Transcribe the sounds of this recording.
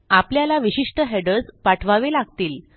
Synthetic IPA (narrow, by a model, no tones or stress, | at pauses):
apljalaʋiɕiʂʈəɦeɖəd͡zpaʈʰʋaʋelaɡ̚t̪iːl